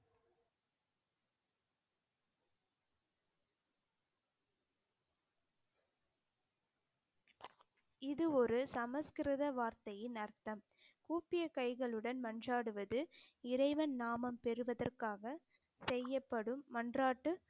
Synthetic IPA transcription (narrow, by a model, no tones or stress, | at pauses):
ɪðɯɔɾɯsɐmɐskɪɾɪðɐʋaːɾt̪ɐjɪnɐɾt̪ɐmkuːpɪjɐkɐɪɣɐɭɯɽɐnmɐndraːɽɯʋɐðɯɪɾɐɪʋɐnnaːmɐmpɛɾɯʋɐðɐrkaːɣɐ | sɛjːɐpːɐɽɯmːɐndraːʈːɯ